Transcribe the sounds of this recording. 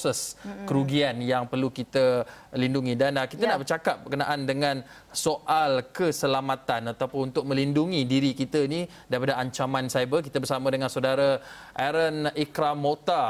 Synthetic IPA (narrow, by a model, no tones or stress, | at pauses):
sɛskəɾuɡianjaŋpərlukit̪əlinduŋidankit̪anaʔbərt͡ʃakap̚bərkənaʔandəŋãn | soʔalkəsəlamat̪anat̪awpʊnunt̪ʊk̚mə̃linduŋidiɾikit̪aini | daɾipadaaɲt͡ʃamansajbəlk̬it̪abərsamãdəŋansawdaɾa | ʔɛɾənikɾamːot̪a